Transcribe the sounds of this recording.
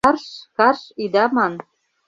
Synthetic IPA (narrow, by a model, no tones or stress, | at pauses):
ɑrʃkɑrʃid̪ɑmɑn